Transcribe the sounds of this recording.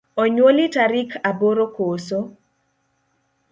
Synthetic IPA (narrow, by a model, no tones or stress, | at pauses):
ɔɲwolitaɾikʰaboɾokoːso